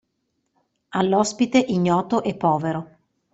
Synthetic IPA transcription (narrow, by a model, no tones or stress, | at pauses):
alːɔspit̪eʔiɲːɔːt̪oʔɛpːɔːveɾo